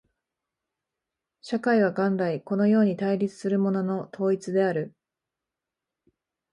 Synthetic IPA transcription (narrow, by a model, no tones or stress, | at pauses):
ɕakaiβ̞aɡãnd̪aiko̞no̞jo̞ːɲ̟it̪aiɾʲit͡sɨ̥sɨɾɯ̟mo̞no̞no̞t̪ʰo̞ːit͡sɨd̪e̞aɾɯ̟